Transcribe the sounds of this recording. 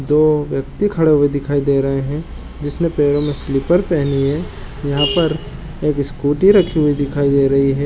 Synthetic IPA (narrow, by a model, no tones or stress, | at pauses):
d̪oːʋjɐk̚t̪ikʰɐɽeɦʊid̪ɪkʰaːid̪eːɾɐɦeɦɛ̃ | d͡ʒɪsnepeːɾõmẽslɪpəɾpɛɦniɦɛ | jɐɦãpɐɾ | eːkɪskuːʈiɾɐkʰiɦʊid̪ɪkʰaːid̪eːɾɐɦiɦɛː